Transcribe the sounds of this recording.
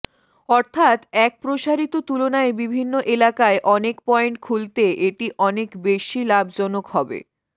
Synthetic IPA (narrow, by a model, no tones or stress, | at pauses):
ɔɾt̪ʰat̪ɛk̚pɾoʃaɾit̪ot̪ulonaebibʱinːoʔelakaeʔɔnekpɔeɳʈ̚kʰult̪eʔeʈiʔɔnekbeʃilabʱd͡ʑɔnokhɔbḛ